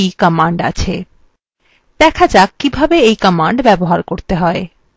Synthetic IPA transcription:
jkəmaɳɖa̰t͡ɕʰe | d̪̥ɛkʰad͡ʑakːibʱabeejkəmaɳɖbɛboɦaɾkoɾt̪eɦɔe

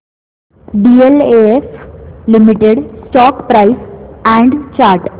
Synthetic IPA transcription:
ɖieleeflimiʈeɽsʈɔkpɾaisɛ̃ɳɖt͡ɕaɾʈ

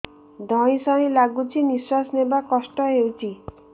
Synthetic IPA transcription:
d̪ʱɔ̃ĩsɔ̃ĩlaɡut͡ʃʰiniswasnebakɔsʈɔɦewt͡ʃʰi

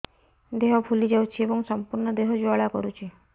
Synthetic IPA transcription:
d̪eɦɔpʰulid͡ʒawt͡ʃʰiebɔŋsɔmpuɾɳɔd̪eɦɔd͡ʒoaɭakɔ̰ɾut͡ʃʰe

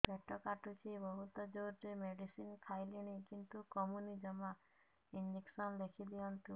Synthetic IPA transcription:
bɛʈʰɔkaʈut͡ʃibɔɦut̪ɔd͡ʒoɾɾemeɖisinkʰajliɽ̃ikint̪ukɔmunid͡ʒɔma | ind͡ʒiksɔnd̪ekʰid̪iɔnt̪u

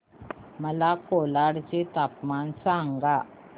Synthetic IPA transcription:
məlakolaɽt͡ɕet̪apmansaŋɡa

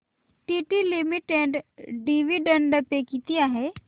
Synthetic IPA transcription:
ʈiʈilimiʈeɖɖiʋiɖə̃ɳɖəpekit̪ijaɦɛ

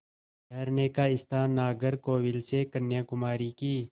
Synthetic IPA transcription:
dɐɾneːkaːɪst̪aːnːaːɡəɾkoːwɪlsekɐnːjãːkʊmaːɾiːkiː

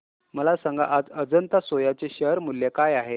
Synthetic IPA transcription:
məlasãŋɡa̰ʔad͡zəd͡zənt̪asojat͡seɕəɾmulːekajaɦe

